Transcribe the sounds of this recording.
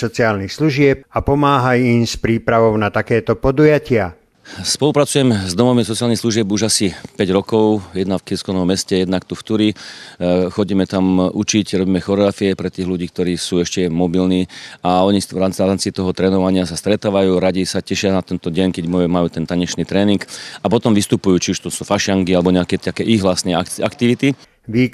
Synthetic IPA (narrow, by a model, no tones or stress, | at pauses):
sɔt͡siaːlnixsluʒɪɛp̚apɔmaːɦajimspɾiːpɾaʋɔʊnat̪akɛːt̪ɔpɔd̪ujacɪa | spɔlupɾat͡sujɛmɛzd̪ɔmɔmisɔt͡sialnixsluʒɪɛbuʒasipɛɟɾɔkɔʊjɛd̪nafkiskɔnɔmːɛscɛjɛd̪nakt̪uft̪uɾi | xɔɟiːmɛt̪amut͡ʃicɾɔbiːmɛxɔɾɔɣɾafiɛpɾɛt̪iːɣluɟiːk̚t̪ɔɾiːsuːɛʃcɛmɔbilniːaɔɲiʋɾaːaaːmt͡sit̪ɔɦɔt̪ɾɛːnɔʋaɲɪasast̪ɾɛt̪aːʋajuːɾaɟisacɛʃɪanat̪ɛnt̪ɔɟɛɲkɛɟmɔmajuːt̪ɛnt̪aɲɛt͡ʃniːt̪ɾɛːniŋɡapɔt̪ɔmʋist̪upujuːt͡ʃiuʃt̪ɔsufaʃɪaŋkialɛbɔɲɛakɛt̪akɛʔiɣʋlasnɛaakt̪iʋit̪i | ʋiː